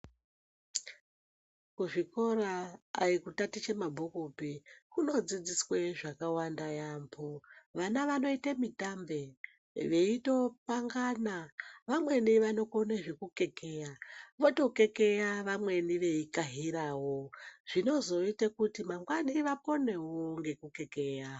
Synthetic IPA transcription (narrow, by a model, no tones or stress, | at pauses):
kuʐiko̞ɾa̰ːikutatit͡ʃemabʱokupikuno̞d͡zid͡zisweʐakawandajaːmbʰoʋanaʋano̞itamitambe̞ | ʋe̞ito̞paŋɡanaʋamwe̞niʋano̞koneʐekuke̞ke̞jaʋo̞to̞ke̞ke̞jaʋamwe̞niʋe̞ikaɦiɾaːwoʐ̥ino̞zo̞itakutimaŋɡwaniʋapo̞ne̞woŋɡe̞kuke̞ke̞ːja